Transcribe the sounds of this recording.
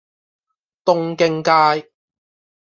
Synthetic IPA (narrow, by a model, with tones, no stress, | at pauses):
t̪ʊ˥ŋkɪ˧ŋkaː˧j